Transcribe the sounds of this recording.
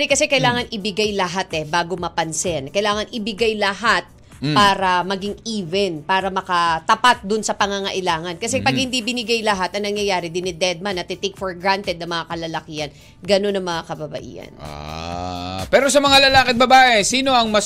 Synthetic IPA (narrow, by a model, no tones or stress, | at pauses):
ɪkɐsɛkɐjlaːŋɐnʔɪbɪɡajlɐɦat̪ɛbaːɡo̞mɐpɐnsɛnkɐjlaːŋɐnʔɪbɪɡajlɐɦat̪̚ | paːɾɐmɐɡiŋivɛnpaːɾɐmɐkɐt̪ɐpat̪̚d̪ʊnsɐpɐŋaŋɐʔɪlaːŋɐnkɐsɛpɐɡhɪnd̪ibɪnɪɡajlɐɦat̪ɐŋnɐŋjɐjaːɾɪd̪ɪnɪd̪ɛd̪̚manɐt̪ːɪt̪ekfoɹɡɾant̪ɛd̪̚nɐŋmɐŋakɐlɐlɐkijɐn | ɡɐno̞nɐŋmɐŋakɐbɐbɐ̰ʔḭːhɐ̰n̰ | pɛːɾo̞sɐmɐŋalɐlaːkɪt̪̚bɐbaːʔesiːno̞ʔɐŋmɐ